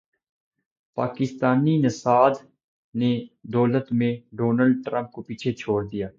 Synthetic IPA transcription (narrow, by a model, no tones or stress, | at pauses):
pa̰ːkɪst̪aːninɪsaːd̪ | ned̪ɔːlət̪mẽɖoːnəlɖ̚ʈɾə̃mp̚kopiːt͡ʃʰet͡ʃʰoːɽd̪ijaː